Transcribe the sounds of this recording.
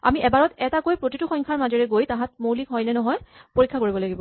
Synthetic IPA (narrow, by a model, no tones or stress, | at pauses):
a̰miʔɛbaɹɔtɛtakojpɹotituxɔŋkʰaɹmazɔɹɛɡojtãɦãt̚mowlikɦɔjnɛnɔɦɔjpoɹikʰːakoɹibɔlaɡibɔ